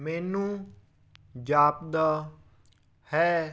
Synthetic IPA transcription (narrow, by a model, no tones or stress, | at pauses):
mɛːnũː | d͡ʒaːp̚d̪aː | hɛː